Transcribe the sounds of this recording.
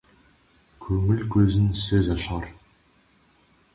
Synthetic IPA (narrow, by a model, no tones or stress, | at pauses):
kʲʰɵŋɪlkʲʰɵzɪnsɪzɑʃɑɾ